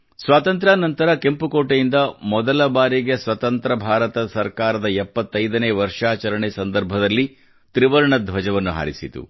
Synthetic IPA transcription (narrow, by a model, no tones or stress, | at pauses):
sʋaːt̪ɐnt̪ɾaːnɐnt̪ɐɾɐke̞mpukoːʈejind̪ɐmɔd̪ɐlɐbaːɾiɡe̞sʋɐt̪ɐnt̪ɾɐbʱaːɾɐt̪ɐsɐɾkaːɾɐd̪ɐɛpːɐt̪ːɐjd̪ɐneːʋɐɾʂaːt͡ʃɐɾɐɳesɐnd̪ɐɾbʱɐd̪ɐlːi | t̪ɾiʋɐɾɐɳɐd̪ʱʋɐd͡ʒɐʋɐnːuɦa̰ːɾisit̪ṵ